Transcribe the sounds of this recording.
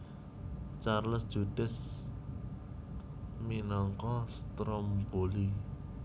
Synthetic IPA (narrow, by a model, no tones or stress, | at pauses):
t͡ʃarləsd̥ʒ̥ud̥ɪ̤s | minɔŋkɔst̪ɾɔmb̥oli